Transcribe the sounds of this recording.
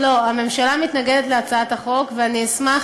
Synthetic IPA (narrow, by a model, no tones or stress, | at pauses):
lo̞ame̞mʃalamit̪naɡed̪et̪leat͡saat̪haχo̞kveanismaχ